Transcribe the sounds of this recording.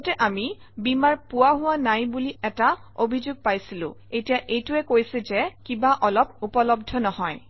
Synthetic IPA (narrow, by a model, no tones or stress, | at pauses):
tɛʔami | bimaɹpʊwaɦʊwanajbuliɛtaobʱizuɡ̚pajsilʊ̰̃etijaʔejtʊɛkojsɛzɛkibaʔɔlɔp̚upɔlɔbdʱɔnɔhɔj